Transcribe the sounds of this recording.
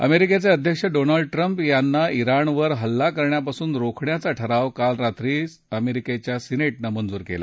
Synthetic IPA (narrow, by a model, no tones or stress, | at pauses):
ə̰meɾiket͡saəd̪ʱjəkʂəɖonəlɖ̚ʈɾəmpjanːaiɾaɳʋəɾɦəlːakəɾɳjapasuːnɾokʰɳjat͡saʈʰəɾaʋkalɾat̪ɾiːs | əmeɾiket͡ɕjasineʈnamənd͡zuːɾkḛla̰